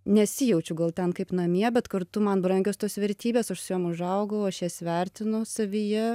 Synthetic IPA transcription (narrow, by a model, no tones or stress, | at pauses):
nʲɛsʲɪjɛʊt͡ʃʲʊɡɐlˠt̪ʲɛnkɐɪpnɐmʲiɛbʲɛt̪kɐrt̪ʊmɐnbɾɐŋʲɡʲoːst̪oːsʋʲɛɾʲt̪ʲiːbʲeːsɐʃsʊjuɔmʊʒɐʊɡɐɐʊɐʃjiɛsʋʲɛɾʲt̪ʲɪnʊsɐʋʲijɛ